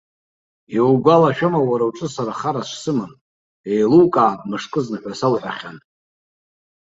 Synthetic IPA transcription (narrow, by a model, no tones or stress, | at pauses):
ewɡʷalaʃᶣamawaɾawʈ͡ʂʼɨsaɾaχaɾaʂʷsɨman | ejlukʼaːpmɨʂkʼɨznɨħʷasalħʷaχʲan